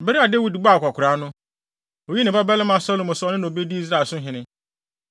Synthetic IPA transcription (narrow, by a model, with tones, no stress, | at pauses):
bɛ˦ɾi˦a˨de˦wi˨dɡ͡ba˦˨kʰʷa˨kʰʷʊ˨ɾa˨˦nʊ̃˦ | o˨ji˦nɪ̃˨ba˦bɛ˦lɪ̃˦mã˨sɔ˦lʊ̃˦mʊ̃˨sɔ˨nɪ̃˦nʊ̃˨o˨be˦di˦i˦z̬ɾa˦˨sʊ̃˦ɦɪ̃˨nɪ̃˦